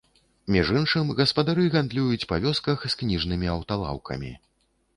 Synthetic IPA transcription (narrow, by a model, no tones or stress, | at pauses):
mʲiʐɨnʂɨmɣɐspɐd̪aɾɨɣand̪lʲujut͡sʲpavʲɔskɐxsknʲiʐnɨmʲiɐwt̪alˠa̰wkʰɐ̰mʲḭ